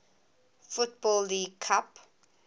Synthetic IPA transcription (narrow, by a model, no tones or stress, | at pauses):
fʊt̚bɔlːiːɡkʰap